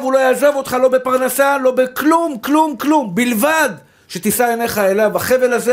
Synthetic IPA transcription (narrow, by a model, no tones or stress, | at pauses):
vulo̞jaːzevo̞t̪χalo̞be̞paʁnasalo̞beklumklumklumbilvad̪ | ʃe̞t̪isajene̞χaelavaχe̞ve̞laze